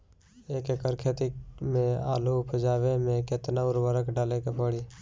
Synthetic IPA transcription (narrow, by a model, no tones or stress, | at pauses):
eːkekəɾkʰeːt̪imẽa̰ːlupʰəd͡ʒaːwemẽkɪt̪naʊɾwəɾəkɖaːlekepəɽiː